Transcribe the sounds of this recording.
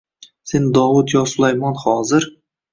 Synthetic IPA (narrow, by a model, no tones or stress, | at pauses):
se̞nd̪ɒwʊt̪jɒsʊlˠajmɒnhɒzɪɾ